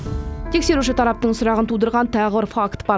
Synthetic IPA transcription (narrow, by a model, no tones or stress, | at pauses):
t̪ʰe̞kse̞ɾuʃɪt̪ʰɑɾɑp̚t̪əɴsʊɾɑʁənt̪ʰud̪əɾʁɑnt̪ʰɑʁəbəɾfakt̪bɑ